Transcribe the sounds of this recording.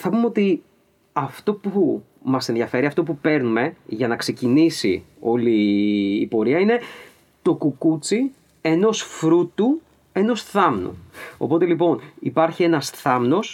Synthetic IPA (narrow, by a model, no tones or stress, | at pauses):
θɐpumeo̞t̪i | ɐft̪o̞pu | mɐse̞nðjɐfe̞ɾiɐft̪o̞pupe̞ɾnume̞ʝɐnɐkse̞cinisḭo̞liː | po̞ɾiɐine̞ | t̪o̞kukut͡si | e̞no̞sfɾut̪u | e̞no̞sθɐmnṵo̞̰po̞t̪e̞lipo̞nipɐɾçie̞nɐsθɐmno̞s